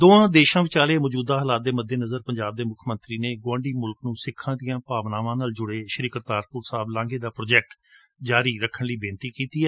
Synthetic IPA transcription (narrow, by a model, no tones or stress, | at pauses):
d̪õːãːd̪eːʃãːʋɪt͡ʃaːlemɔːd͡ʒuːd̪aːɦəlaːt̪̚d̪eːməd̪ʱːeːnəzəɾpəɲd͡ʒaːb̚d̪eːmʊkʰmənt̪ɾiːneːɡwãːɳɖiːmʊlknũːsɪkʰːãːd̪ijãːpaːʋnaːʋãːnəld͡ʒʊɽeːʃəɾiːkəɾt̪aːɾkʊɾsaːblãːŋɡeːd̪aːpɾoːd͡ʒɛːk̚ʈ | d͡ʒaːɾiːɾəkʰːəɳliːbẽːnt̪iːkiːt̪iːɛː